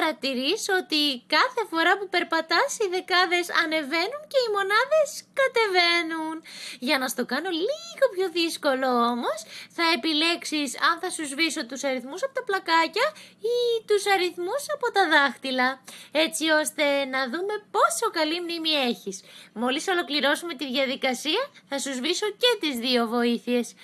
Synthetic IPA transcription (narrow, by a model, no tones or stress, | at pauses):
ɐɾɐt̪iɾiso̞t̪ikɐθe̞fo̞ɾɐpupe̞ɾpɐt̪ɐsiðe̞kɐðe̞sɐ̰ne̞ve̞nunce̞imo̞nɐðe̞skɐt̪e̞ve̞nunʝɐnɐst̪o̞kɐno̞liɣo̞pço̞ðisko̞lo̞omo̞sθɐe̞pile̞ksisɐnθɐsuzviso̞t̪usɐɾiθmusɐpo̞t̪ɐplɐkɐcɐit̪usɐɾiθmusɐpo̞t̪ɐðɐxt̪ilɐe̞t͡sio̞st̪e̞nɐðume̞po̞so̞kɐlimnimie̞çismo̞liso̞lo̞kliɾo̞sume̞t̪iðʝɐðikɐsiɐθɐsuzviso̞ce̞t̪izðio̞vo̞iθie̞s